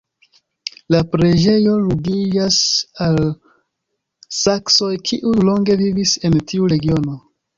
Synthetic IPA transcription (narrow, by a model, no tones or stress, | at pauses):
lapɾe̞d͡ʒe̞jo̞ɾuɡid͡ʒasal | sakso̞jkʰiʔulo̞ŋɡe̞vivise̞ntʰiuɾe̞ɡio̞no̞